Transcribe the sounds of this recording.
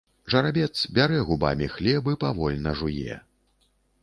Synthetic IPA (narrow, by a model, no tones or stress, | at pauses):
ʐɐɾabʲɛt̪sbʲaɾɛɣuba̰mʲixlʲɛbɨpavɔlʲnɐʐujɛ̰